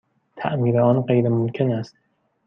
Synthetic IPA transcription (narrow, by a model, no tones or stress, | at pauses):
t̪ʰæ̰ʔmiːɾeɒːnɢejɾemomkʲʰenæst̪